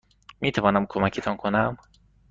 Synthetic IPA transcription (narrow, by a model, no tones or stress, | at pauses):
miːt̪ʰævɒːnæmkʰomækʰet̪ʰɒːnkʰonæm